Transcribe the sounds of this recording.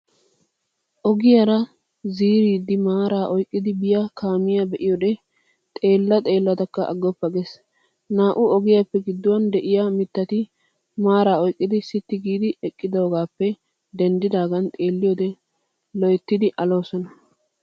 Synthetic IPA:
ʔɔɡɪjɐɾɐ | ziːɾiːd̪ɪmaːɾaːʔɔjkʼːɪd̪ɪbɪjakʰaːmɪjabɛʔɪjɔd̪ɛ | t̪ʼe̞ːlːɐt̪ʼe̞ːlːɐt̪ɐkːɐʔɐ̰ɡːɔpːɐɡes | naːʔʊɔɡɪjapːɛɡɪd̪ːʊwɐnd̪ɛʔɪjamɪt̪ːɐt̪ɪ | maːɾaːɔjkʼːɪd̪ɪsɪt̪ːɪɡiːd̪ɪʔɛkʼːɪd̪oːɡaːpːɛ | d̪ɛnd̪ɪd̪aːɡɐnt̪ʼe̞ːlːɪjoːd̪ɛ | lɔjt̪ːɪd̪ɪʔɐlo̞ːsɔnɐ

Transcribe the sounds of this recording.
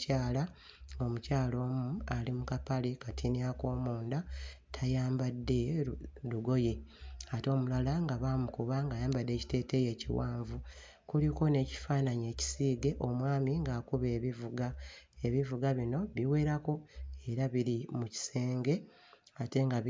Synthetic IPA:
aːla | ŋɡo̞mucaːlo̞ːmualimukapalekatʰinako̞ːmuːndatʰajaːmbadːe̞luɡo̞je̞ato̞ːmulalaŋɡaβaːmukuβaŋɡajaːmbadːe̞ːci̥te̞ːte̞je̞ːcḭwaːɱvu | kuliko̞ne̞ːci̥faːnaɲe̞ːci̥siːɡe̞ʔo̞mwaːmiŋɡaːkuβe̞ːβivuɡae̞βivuɡaβino̞βiwe̞ːɾako̞e̞ɾaβiɾimuci̥se̞ːŋɡe̞ | ate̞ŋɡa

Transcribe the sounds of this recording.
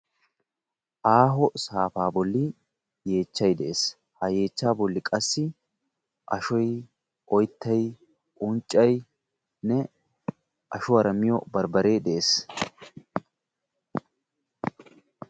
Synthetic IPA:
ʔaːɦɔsaːfaːbɔlːɪ | je̞ːt͡ʃːɐjd̪ɛʔeːs | hɐje̞ːt͡ʃːaːbɔlːɪkʼɐsːɪ | ʔɐʃɔj | ʔɔjt̪ʰːɐj | ʔʊnt͡ʃʼːɐj | nɛ | ʔɐʃʊɐɾɐmɪjɔbɐɾbɐɾeːd̪ɛʔeːs

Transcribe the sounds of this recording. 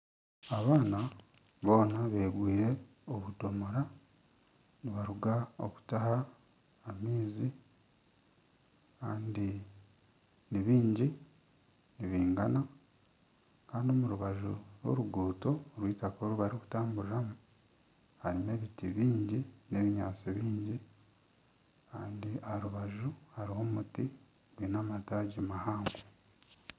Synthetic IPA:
aβaːna | βo̞ːnaβe̞ːɡwiːɾe̞ | oβudo̞moɾa | niβaɾuɡao̰ku̥tahaː | miːzi | kaːndi | niβiːɲɟi | niβiːŋɡa̰na | kaːndo̞muɾuβaʒuɾo̞̰ɾuɡuːto̞ːɾwiːtakoɾuβaɾiku̥taːmbuɾiɾamu | haɾine̞βitiβiːɲɟine̞βiɲaːt͡siβiːɲɟi | kaːndiaɾuβaʒuhaɾiho̞muti | βwinamataːɟimahaːŋɡwo

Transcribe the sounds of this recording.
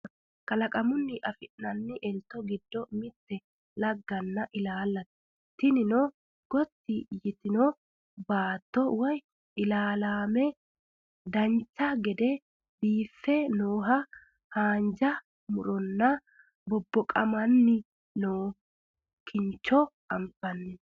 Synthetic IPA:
kɐlɐkʼɐmʊnːɪʔɐfɪʔnɐnːɪʔɛlt̪ːɔɡɪd̪ːɔmɪt̪ːɛ | lɐɡːɐnːɐʔɪlaːlːɐt̪ | t̪ɪnɪnɔ | ɡ̥ɔt̪ːɪjɪt̪ɪnɔ | baːt̪ːɔwɐj | ʔɪlaːlaːmɛ | d̪ɐnt͡ʃːɐɡɛd̪ɛ | biːfːɛnoːɦɐ | haːnd͡ʒɐ | mʊɾɔnːɐ | bɔbːɔkʼɐmɐnːɪ | noː | kʰɪnt͡ʃːɔʔɐmpːɐnːɪ

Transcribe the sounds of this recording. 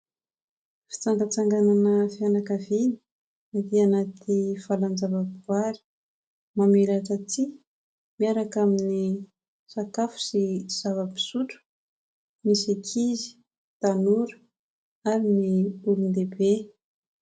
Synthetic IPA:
fi̥t͡saŋɡat͡saŋɡananəfianakavini̥ | ad̪ianat̪ʰifaland͡zavabiɡwaɾi̥ | mamelaʈ͡ʂat͡si | miaɾakamini | sakafu̥siz̥avəbi̥suʈ͡ʂu̥ | misekʰizi̥ | t̪anuɾu̥ | aɾiniulund̪ebe

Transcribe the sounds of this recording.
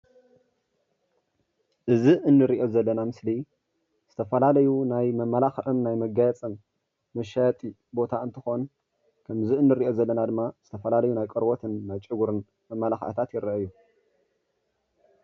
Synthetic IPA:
ʔɨziʔɨnːɨɾiʔo̞zɐlːɐnamɨsli | z̥ɨt̪ʰɐfɐlalɐjunajmɐmːɐlaxʕɨmnajmɐɡajɐt͡sʼɨmː | ɐʃajt̪ʼi | bo̞t̪ʰaɨnt̪ʰɨxo̞n | kʰɐmziɨnːɨɾiʔo̞zɐlːɐnad̪ɨmːaz̥ɨt̪ʰɐfɐlalɐjunajkʼɨɾwot̪ʰɨnːajt͡ʃʼɨɡuɾɨn | mɐmːɐlaxʕɨ̰t̪ʰat̪jɪɾɐʔɐɨjːu

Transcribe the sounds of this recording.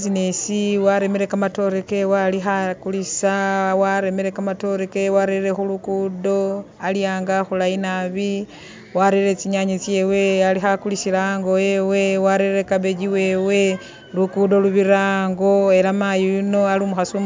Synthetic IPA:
zinesiwaɾe̞meɾe̞kamato̞ɾeke̞walixakulisawaɾe̞meɾe̞kamato̞ɾekewaɾeɾe̞xulukudo̞ | aljaːŋɡaxulajinaβi | waɾeɾet͡siɲaɲet͡sje̞we̞alixakulisilaŋɡo̞e̞we̞waɾeɾekaβeɟiwe̞we̞ | lukudo̞luβiɾaːŋɡo̞e̞lamajuunoalimuxasu

